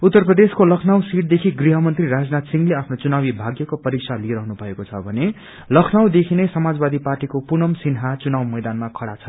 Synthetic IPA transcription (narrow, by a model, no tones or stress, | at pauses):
ut̪ːʌrprʌd̪eskolʌkʰnawsiʈ̚d̪ekʰiɡriɦʌmʌnt̪riɾad͡znat̪siŋɡleapʰnot͡sunabibʱaɡjʌkopʌɾiksʰaliɾʌɦnubʱʌekot͡sʰʌbʱʌne | lʌkʰnawd̪ekʰinesʌmad͡zbad̪iparʈikopunʌmsinɦat͡sunawmʌjd̪anmakʰʌɽat͡sʰʌ